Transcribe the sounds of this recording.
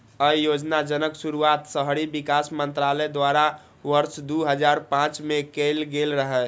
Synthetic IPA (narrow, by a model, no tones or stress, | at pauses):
əijod͡ʒnad͡ʒənəksuɾuat̪səɦɾibikasmənt̪ɾalɛd̪waɾa | ʋəɾsd̪uɦəd͡ʒaɾpãt͡ʃmekelɡelɾəɦɛ